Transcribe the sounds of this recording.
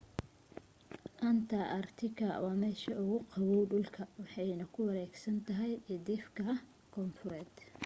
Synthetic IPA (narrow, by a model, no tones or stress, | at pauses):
ʔɐnt̪ʰɐʔɐrt̪ʰɪkʰɐwɑːmɛːʃɐʊɣʊqɑβɔwɖʊlkʰɐwɑħɑjnɐkʰʊwɑɾɛːɡsɐnt̪ʰɐɦɛjɛd̪ɪfkʰɐ | kʰɔːnfʊɾɛːd̪̥